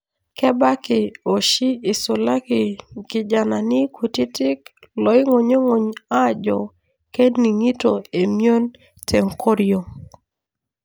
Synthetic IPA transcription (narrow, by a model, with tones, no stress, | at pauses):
kɛ˦ba˦kɪ˨o˨ʃi˦ɪ˨sʊ˨la˦kɪ˨kɪ˨d͡ʒa˨na˨nɪ˦kʰu˨ti˦tɪ˦klɔ˨ɪ˦ŋo˨ɲo˦ŋo˨ɲa˦˨d͡ʒɔ˨ | ke˦dni˨ŋi˦to˨e˨mjo˦n | tʰe˨ŋko˦ɾjo˨